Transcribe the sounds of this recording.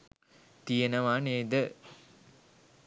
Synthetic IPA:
t̪ijenɐʋaːneːd̪ə

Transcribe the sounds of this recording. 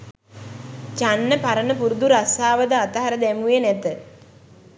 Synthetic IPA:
t͡ʃanːəpaɾənəpuɾud̪uɾasaːʋəd̪əat̪əɦaɾəd̪æmuenɛt̪ə

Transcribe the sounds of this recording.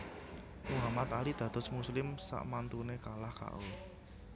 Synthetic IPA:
ʔuɦamat̪alid̪̥ä̤d̪̥ɔ̤smuslɪmsa̰ʔmant̪unekalahka̰ʔu

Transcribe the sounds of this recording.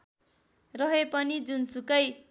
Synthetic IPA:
rʌɦepʌnid͡zunsukʌj

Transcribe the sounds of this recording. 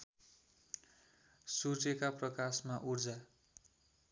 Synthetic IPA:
sut͡sekaprʌkasmaʔurd͡za

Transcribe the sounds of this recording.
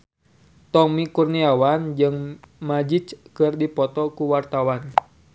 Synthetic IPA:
t̪ɔmikurniawand͡ʒɨŋmad͡ʒit͡ʃkɨrdipɔt̪ɔkuwart̪awan

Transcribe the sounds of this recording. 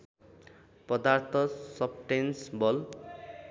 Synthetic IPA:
pʌd̪art̪ʰʌsʌbʈensbʌl

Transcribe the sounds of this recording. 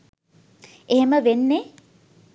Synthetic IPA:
eɦeməʋenːe

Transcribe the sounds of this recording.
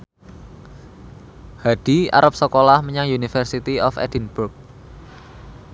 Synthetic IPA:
had̥ia̰ɾʔap̚səkolahməɲaŋjunifərsit̪iɔfɛ̰d̥inburk̚

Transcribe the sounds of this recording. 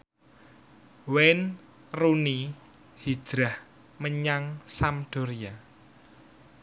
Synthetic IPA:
wen | runi | hi̥ʒ̥ɾah | məɲaŋsamd̪̥oɾia

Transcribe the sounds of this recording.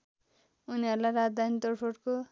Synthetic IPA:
uniɦʌɾulajɾad̪ant̪orpʰoɽko

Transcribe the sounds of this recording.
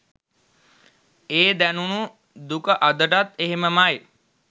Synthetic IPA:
eːd̪ænunu | d̪ukəʔad̪əʈat̪ːeɦeməmaj

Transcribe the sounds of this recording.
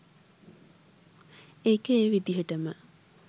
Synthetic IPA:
ekəeːʋid̪iɦəʈəmə

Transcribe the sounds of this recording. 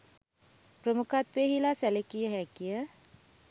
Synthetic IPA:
prəmukat̪ʋeɦilasælekijəɦækijə

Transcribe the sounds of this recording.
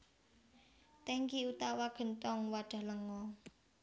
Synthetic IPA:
t̪ɛŋɡiut̪awaɡ̥ə̤nt̪ɔŋwad̥ʒ̥a̤hləŋɔ

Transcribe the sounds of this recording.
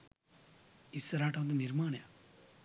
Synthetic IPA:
isːɐɾaːʈʰaʋt̪̬ɐniɾmaːɳja

